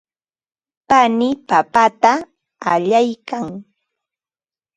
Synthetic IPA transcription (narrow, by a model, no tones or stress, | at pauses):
panɪpapat̪a | aʎajkaŋ